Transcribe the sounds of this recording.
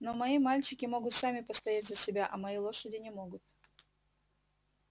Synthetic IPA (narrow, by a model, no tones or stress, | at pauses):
no̞mɐimalʲt͡ɕɪkʲɪmo̞ɡʊt̪samʲɪpəst̪ɐjatʲzəsʲɪbʲaʔɐmɐjilˠo̞ʂədʲɪnʲɪmo̞ɡʊt̪